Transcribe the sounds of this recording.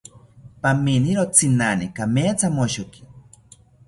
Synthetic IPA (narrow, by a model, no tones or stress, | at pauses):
paminiɾot͡sʰinanikameːt͡samoʃoki̥